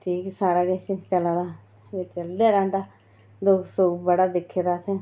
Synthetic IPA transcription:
ʈʰiːksaːɾaːɡesit͡ʃəlaːd̪aː | eːt͡ʃəld̪eːɾɛ̃ːnd̪aː | d̪oːsoːbəɽaːd̪ɪkʰːeːd̪aːse

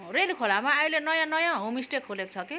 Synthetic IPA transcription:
relkʰolamaailenʌjãnʌjãɦomisʈekʰɦolekot͡sʰʌki

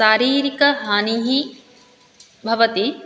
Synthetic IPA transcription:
saːɾiːɾikɐɦaːniɦi | bʱɐʋɐt̪i

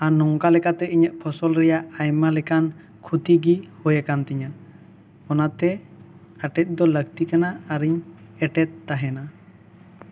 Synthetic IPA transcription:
anɔŋkalɛkat̪ɛiɲəʔ̪̚pʰɔsɔlɾɛjaʔajmalɛkan | kʰut̪iɡihɔjakant̪ɛɲa | ɔnat̪ɛ | aʈɛt̪̚ˀd̪ɔləɡt̪ikanaːɾiɲɛʈɛt̪̚ːaɦɛna

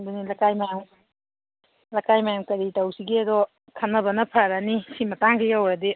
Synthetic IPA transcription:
dunilakajmajam | lakajmajamkɐɾitɐwsiɡiɐdɔ | kʰɐnːɐbɐnɐpʰaɾanisimɐtaŋɡijawɾade

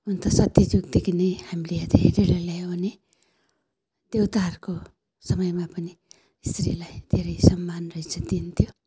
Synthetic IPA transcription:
unt̪ʌsʌt̪jʌd͡ʒuɡ̚d̪ekʰinehamileʌd̪ʱeɾeɾaljajone | d̪̥ewt̪aɦʌɾuko | sʌmʌjmapʌni | ist̪ɾilajd̪ʱeɾʌjsʌmːanrʌɦit͡sʰʌd̪int̪ʰjo

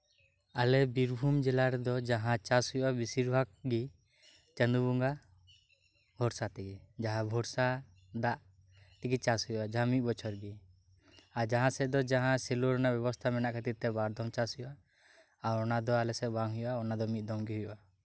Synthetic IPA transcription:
alɛbiɾbʱumd͡ʒɛlaɾɛd̪ɔd͡ʒaɦãt͡ʃashujɔʔabisiɾbʱaɡ̚ɡi | t͡ʃənd̪ubuŋɡa | bʱɔɾsat̪ɛɡid͡ʒaɦãbʱɔɾsa | d̪aʔ | t̪iɡit͡ʃasɦujɔʔad͡ʒaɦãmit̪̚ˀbɔt͡ʃʰɔɾɡi | ad͡ʒaɦãsɛd̪ɔd͡ʒaɦãsɛluɾɔnabɛβɔst̪ʰamɛnaʔkʰat̪iɾt̪ɛbaɾd̪ʱɔmt͡ʃasɦujɔʔaː | ɔnad̪ɔalɛsɛʔbaŋɦujɔʔaɔnad̪ɔmit̪̚d̪ɔmɡiɦujɔ̰ʔa

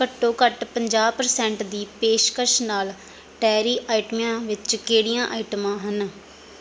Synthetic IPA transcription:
kəʈːõːkəʈpəɲd͡ʒaːpəɾsɛ̃ːɳʈd̪iːpeːʃkəɾʃnaːl | ʈɛːɾiːʔaːɪʈəmijãːʋɪt͡ʃkeːɽijãːʔaːɪʈəmãːɦən

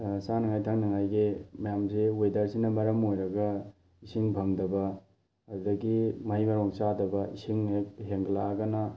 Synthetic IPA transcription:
sanɐŋajtʰaŋnɐŋajɡimɐjamsiojdaɾsinɐmɐɾɐmojɾɐɡɐ | isiŋbʱɐŋdɐbɐ | ɐdudɐɡimɐɦimɐɾoŋsadɐbɐisiŋekɦeŋɡlaɡɐnɐ

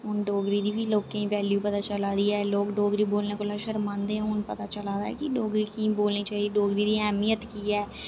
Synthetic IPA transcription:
ɦʊnɖoːɡɾiːd̪iːbiːloːkẽːĩːʋɛːljũːpət̪aːt͡ʃəlaːd̪iːɛːloːkɖoːɡɾiːboːlneːkoːlaːʃəɾmãːnd̪eːɛ̃ʊnpət̪aːt͡ʃəlaːd̪aːɛ̰ːkɪɖoːɡɾiːkĩːboːlniːt͡ʃaːiɖoːɡɾiːd̪iːɛːmijət̪kiːɛː

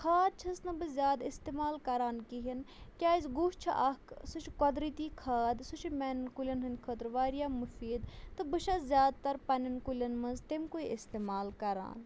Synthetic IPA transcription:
kʰaːd̪̚t͡ʃʰɐsnɨbɨzʲjaːd̪ist̪eːmaːlkɐɾaːnkiɦinkʲaːzɡuːʃt͡ʃʰiʔɐkʰsut͡ʃʰkɐd̪ɾit̪iːkʰaːd̪sut͡ʃʰimʲɛnnkulʲɐnɦɨnʲkʰət̪ɾʋaːɾjaːmufiːd̪t̪ɨbɨʃɐzʲjaːd̪̚t̪ɐɾpɐnʲɐnkulʲɐnmɐnzt̪emkuiist̪eːmaːlkɐɾa̰ːn

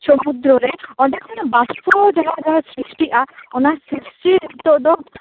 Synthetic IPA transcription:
sɔmud̪ɾɔɾɛɔɖɛkʰɔnɔbaspɔd͡ʒaɦad͡ʒaɦasɾisʈiʔaɔnasisʈit̪ɔʔd̪ɔ

